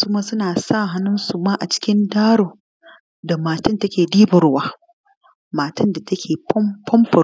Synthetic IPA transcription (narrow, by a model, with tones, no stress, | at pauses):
suː˦maː˦sʊ˦naː˨sa˦˨ɦa˦nʊ˦nsu˨maː˦ʔa˨t͡ʃɪ̥˦kʲɪ˦ndaː˦ɽoː˨ | da˨maː˨tɪ˦ntɐ˦kʲeː˨diː˦bʊ˨ɽwaː˦ | maː˨tɪ˦nda˨tɐ˦kʲʰeː˨pɔ˦mpʰɔ˦mpʊ˨